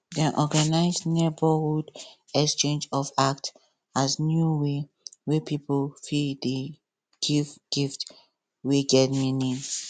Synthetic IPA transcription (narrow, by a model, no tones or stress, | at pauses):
dɛʔɔɡanaɪsnebəhud | ɛkst͡ʃẽnd͡ʒɔfakt | asnjuwe | wepipofidi | ɡ̥ifɡ̥ift | weɡɛtmĩnĩn